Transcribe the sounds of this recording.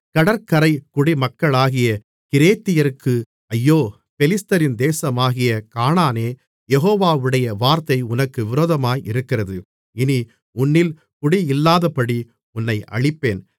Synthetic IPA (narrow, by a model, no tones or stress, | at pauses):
kɐɽɐɾkɐɾɐɪkʊɽimɐkːɐɭaːɣɪjɐ | kɪɾeːt̪ːɪjɐɾɯkːɯ | ɐjːoː | pɛlɪst̪ɐɾɪnd̪eːsɐmaːɣɪjɐkaːnaːneː | jɛɣoːʋaːʋɯɽɐjɐʋaːɾt̪ɐɪʊnɐkːɯʋɪɾoːðɐmaːjɪɾɯkːɪrɐðɯ | ɪni | ʊnːɪl | kʊɽiɪlːaːðɐpːɐɽi | ʊnːɐɪʔɐ̰ɻɪpːeːn